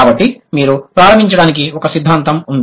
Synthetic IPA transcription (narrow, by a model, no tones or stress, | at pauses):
aːbɐʈːimiːɾupɾaːɾɐm̤iɲt͡ʃɐɽaːnik̬iɔkɐsid̪ʱːaːnt̪ɐmund̪